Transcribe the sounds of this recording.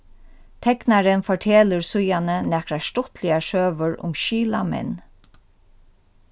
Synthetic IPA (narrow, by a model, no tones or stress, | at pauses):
t̪ʰɛknaɾənfɔʈʰeːləɹsʊjanənɛkɾaʃtɔt̪lɪaʃøːʋəɹʊ̰mʃiːlamɛ̰n